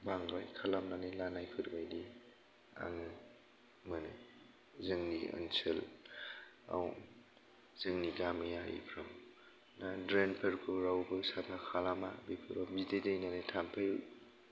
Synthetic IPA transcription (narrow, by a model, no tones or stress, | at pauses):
baŋɡajkʰalamnanelanajpʰɯɾbajdi | a̰ŋɯ | mɯnɯ | zɯŋniə̰nsel | a̰w | z̥ɯŋniɡamɯjaḭpʰɾam | nadɾenpʰɯɾkʰɯɾawbɯsapʰakʰalama̰bipʰɯɾabidedejnanetʰampʰej